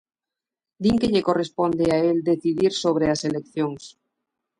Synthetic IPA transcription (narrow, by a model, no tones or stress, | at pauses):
d̪iŋkeʎekorespond̪eaeld̪eθiðiɾsoβ̞ɾeaselekθjoŋs